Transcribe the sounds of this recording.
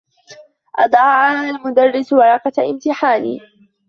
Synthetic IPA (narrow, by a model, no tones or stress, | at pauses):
ʔɑd̪ˤʕʕaːalmʊd̪ɑrːɪswɑɾˤɑːqɑʔɪmt̪ɪħaːnḭː